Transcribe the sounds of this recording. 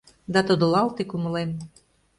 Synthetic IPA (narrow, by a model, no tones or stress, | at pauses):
d̪ɑt̪od̪olˠɑlˠt̪ekumə̆len